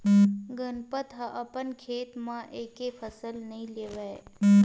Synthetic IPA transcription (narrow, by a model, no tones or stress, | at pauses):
ɡənpət̪ɦəʔəpənkʰeːt̪mãʔekefʰəsəlnəɦĩleʋa